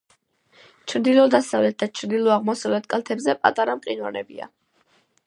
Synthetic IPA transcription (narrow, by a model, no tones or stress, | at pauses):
t͡ʃʰɾd̪ilɔd̪asavlɛt̪̚d̪at͡ʃʰɾd̪ilˠɔaʁmɔsavlɛt̪ʰkʼalˠt̪ʰɛbzɛpʼa̰t̪ʼaɾamqʼinva̰nɛ̰bḭa̰